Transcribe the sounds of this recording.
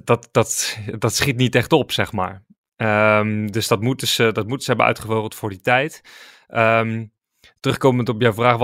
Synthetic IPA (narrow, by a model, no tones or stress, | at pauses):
dɑtdɑtdɑtsχitnitɛχtɔpsɛχma̰ːɹ | əmdɵsdɑtmutəz̥ədɑt̚mutəzəɦɛbənœ̰ɥtχəvoːrəlˠtfʊːɹditɛjt | ʔəm | tərɵχkowməntɔpjawvraːχʋ